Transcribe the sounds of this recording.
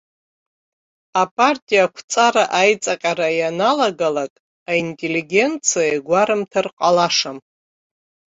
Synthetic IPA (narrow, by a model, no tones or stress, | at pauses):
apʰʼartʼijakʷʰt͡sʼaɾaʔajt͡sʼaqʲʼaɾajanalaɡalakʼ | aintʼe̞liɡʲe̞nt͡sʰijaeɡʷaɾɨmtʰarqʼalaʂam